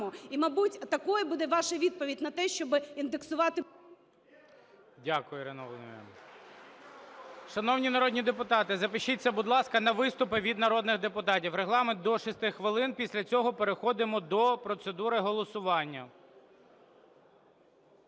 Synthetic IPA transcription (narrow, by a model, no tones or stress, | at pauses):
ɔimɐbutʲt̪ɐkɔjɛbud̪ɛʋɑʃɐʋʲid̪̚pɔʋʲidʲnɐt̪ɛʃt͡ʃɔbɨind̪eksʊʋɑt̪ɪ | dʲakʊjʊɾenɔlˠeɛ̰ | ʃɐnɔwnʲinɐɾɔdʲnʲid̪epʊt̪ɑt̪ɪzɐpɪʃit͡sʲːɐbʊd̪lˠɑskɐnɐʋɪst̪ʊpɪʋʲid̪nɐɾɔd̪nɪɣd̪epʊt̪ɑtʲiwɾeɦlˠɑmend̪ɔʃɪst̪ɪxxʋɪlˠɪnpʲisʲlʲɐt͡sʲɔɦɔpeɾexɔd̪ɪmɔd̪ɔpɾɔt̪sed̪uɾɪɦɔlˠɔsʊʋɑnʲːɐ